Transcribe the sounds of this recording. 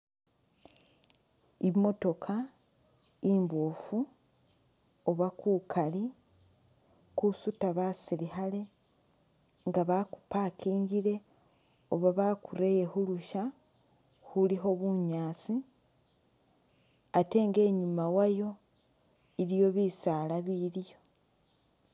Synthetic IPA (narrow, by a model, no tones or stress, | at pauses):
imo̞to̞kʰa | imbofu | oβakuːkʰali | kusutaβasiɾihale̞ | ŋɡaβaku̥paːkiːɲɟiɾe̞ | oβaβaːkuɾejehuluʃa | huliɦo̞βuɲaːt͡si | ate̞ːŋɡe̞ːɲumawajo̞ | iɾijo̞βiːsaːlaβiɾijo̞